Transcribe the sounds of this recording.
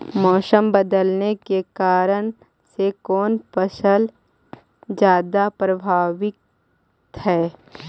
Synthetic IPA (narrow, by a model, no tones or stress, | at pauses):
mɔːsəmbəd̪əlnekekaːɾəñ | sekɔːnpəʃəl | d͡ʒjaːd̪apɾəbʱaːʋɪk̚ | t̪ɦɛː